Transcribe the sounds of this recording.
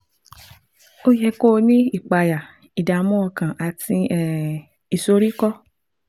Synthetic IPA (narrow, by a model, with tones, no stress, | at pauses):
o˦jɛ˧ko˦˧nĩ˦i˦˨k͡pa˨ja˨ | i˨da˨˧˦mɔ̃˦ɔ˧kã˨ʔa˨tĩ˧ɛ˨ | i˨so˧˦ɾi˦kɔ˦